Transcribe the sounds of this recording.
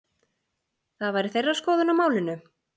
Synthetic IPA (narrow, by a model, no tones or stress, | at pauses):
θaðvaːjɾɪθejrːaskɔːðʏnamaːwlɪnːʏ